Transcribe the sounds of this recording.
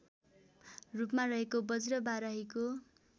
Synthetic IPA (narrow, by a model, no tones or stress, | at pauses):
rupmarʌɦekobʌd͡zɾʌbaɾʌɦiko